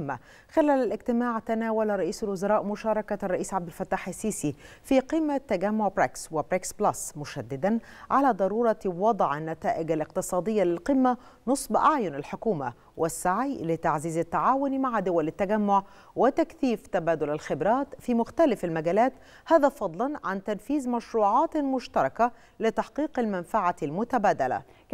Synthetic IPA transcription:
mːa | xɪlæːlælɪɡt̪ɪmaːʕt̪ænæːwælɾˤɑʔiːsalwʊzɑɾˤɑːʔmʊʃɑːɾˤɑkarˤːɑʔiːsʕab̚d̪ɪlfæt̪ːaːħɪsːiːsi | fiːqiːmːat̪ːæɡæmːoʕbɾakswɪbɾaksblɑsmʊʃæd̪ːɪd̪an | ʕalæːd̪ˤɑɾˤuːɾˤɑwɑd̪ˤʕanːæt̪æːʔɪɡalɪq̚t̪ɨsˤɑːd̪ˤɪjːalɪlqɪmːæ | nɨsˤbʔaʕjʊnalħokuːma̰ | wʔɪsːaʕijlɪt̪aʕziːzɪt̪ːaʕaːwʊnmaʕd̪ʊwælɪt̪ːæɡæmːoʕ | wɪt̪ækθiːft̪æbæːd̪ʊlalxɪbɾɑːt̪fiːmʊxt̪ælɪfalmæɡæːlæːt̪ | hæːðæːfɑd̪ˤlɑnʕant̪ænfiːzmæʃɾuːʕɑːt̪mʊʃt̪ɑɾˤɑka | lɪt̪ɑħqiːqalmænfaʕalmʊt̪æbæːd̪æla̰

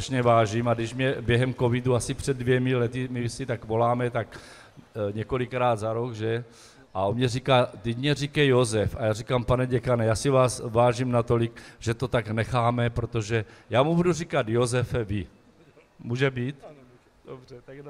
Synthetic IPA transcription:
aʃɲɛvaːʒimadɪʃmɲɛbjɛɦɛmko̞viduasɪpr̥ɛddːvjɛmɪlɛt̪ɪmɪsit̪akvo̞laːmɛt̪ak | ɲɛko̞likɾaːd̪zaɾokʒɛ | ʔaomɲɛrikaːt̪iɟmɲɛrikɛjozɛfajaːrikaːmpanɛɟɛkanɛjaːsivaːsvaːʒimnat̪o̞likʒ̥ɛt̪o̞t̪aɡnɛxaːmɛpɾot̪o̞ʒɛjaːmubudurikat̪jozɛfɛvi | muːʒɛbiːt̪ | obr

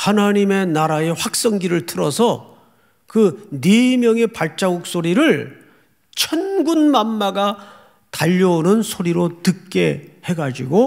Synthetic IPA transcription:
hanaɲime̞naɾae̞ɸwak̚s͈ʌŋɡiɾɯɭtʰɯɾʌsʰʌ | kɯnemjʌŋe̞paɭt͡ɕ͈aɡuk̚s͈oɾiɾɯɭ | t͡ɕʰʌnɡunmanːaɡa | taʎːʌonɯnsʰoɾiɾotɯk͈e̞he̞ɡad͡ʑiɡo

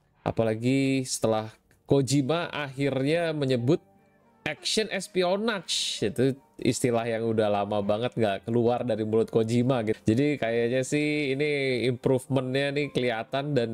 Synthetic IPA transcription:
ʔa̰palaɡisə̥t̪əlah | kod͡ʒimaʔaɦɪrɲaməɲəbʊt̪̚ | ʔɛkʃənʔɛspionat͡ʃit̪uḭst̪ilahjaŋudahlamabaŋət̪̚ŋɡaʔkəluardaɾimulʊt̪̚kod͡ʒimaɡid͡ʒadikajaɲasɪhiniimpɾufmənɲanikəliat̪andan

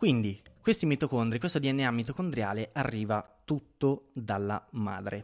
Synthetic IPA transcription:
kwind̪ikwest̪imit̪okond̪ɾikwest̪od̪iɛnːeamːit̪okond̪ɾja̰ːleʔarːiːvat̪ut̪ːod̪alːa̰ma̰ːd̪ɾʔe

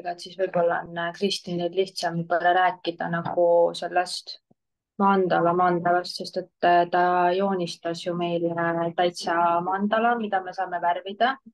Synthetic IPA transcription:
ɡ̥ɑet̪sisvɤjbo̞lːɑnːkrist̪ied̪liht̪sɑmkɤreɾæːkːˑid̪̥ɑnɑɡ̥use̞lːɛst̪ | mɑːnd̪ɑlɑmɑːnd̪ɑlɑst̪se̞st̪e̞t̪ːt̪ɑjo̞ːnʲist̪ɑsjume̞jlt̪ɑjt̪sɑmɑnd̪̥ɑlɑmid̪̥ɑme̞sɑːme̞værvid̪̥ɑ

